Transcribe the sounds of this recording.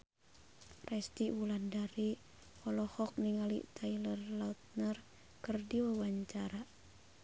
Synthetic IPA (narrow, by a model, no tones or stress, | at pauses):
rɛst̪iwulandaɾi | ɔlɔhɔk̚niŋalḭt̪ʰailərlaut̪̚nər | kərdiwawaɲt͡ʃaɾa